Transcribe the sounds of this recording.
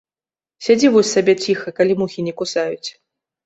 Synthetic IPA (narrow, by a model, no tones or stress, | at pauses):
sʲad͡zʲivɔsʲsabʲɛt͡sʲixɐkalʲimuxʲinʲɛkusajut͡sʲ